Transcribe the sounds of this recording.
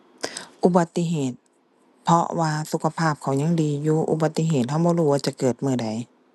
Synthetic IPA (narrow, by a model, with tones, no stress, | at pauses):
ʔu˧ba˨˧˦t̪ːi˧˥ɦeː˨˩t̪̚ | pʰɔ˧waː˧su˨˧˦kʰa˧pʰaː˥˩p̚kʰa˨˦wɲa˧˥˨ŋdiː˨juː˧ʔṵ˧ba˨˧t̪ːi˧˨ɦeː˨˩t̪̚ɦa˧˩wbɔː˧˦ɾuː˧˩waː˧t͡ɕa˨˧˩kɤː˨˩t̪̚mɯː˧˩da˨˩j